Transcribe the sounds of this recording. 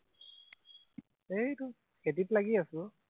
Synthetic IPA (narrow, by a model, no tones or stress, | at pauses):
ejtu | ketiplaɡiasʊ